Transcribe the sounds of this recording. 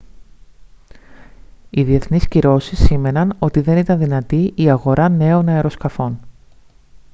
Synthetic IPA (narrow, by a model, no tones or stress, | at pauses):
iðie̞θnisciɾo̞sisime̞nɐno̞t̪iðe̞nit̪ɐnðinɐt̪iiɐɣo̞ɾʔɐne̞o̞nɐeɾo̞skɐfo̞n